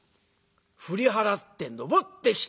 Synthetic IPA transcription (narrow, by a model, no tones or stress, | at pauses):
ɸɯ̟ɾʲiɦaɾat̪ːẽ̞nd̪obot̪ːekʲi̥